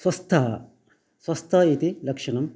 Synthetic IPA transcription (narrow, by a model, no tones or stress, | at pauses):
sʋɐst̪ʰɐɦɐ | sʋɐst̪ʰɐɦɐit̪ilɐkʂɐɳɐm